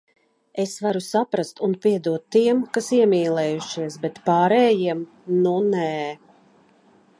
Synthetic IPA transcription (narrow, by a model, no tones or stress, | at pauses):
esvaɾusapɾast̪unpiɛd̪uɔt̪ːiɛmkasiɛmiːlˠɛːjuʃiɛsbɛt̪paːɾɛːjiɛm | nunɛː